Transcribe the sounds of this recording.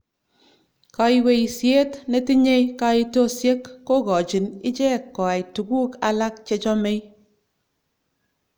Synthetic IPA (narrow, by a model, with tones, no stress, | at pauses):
ka˨i˦we˨jsje˦tne˦ti˦ɲe˦jka˧˦i˦to˦sje˦kːo˦˨kɔ˨t͡ʃi˨nɪ˦t͡ʃe˦kːɔ˨a˨jtu˨ku˦ka˦la˦k̚t͡ʃe˧t͡ʃɔ˦me˦j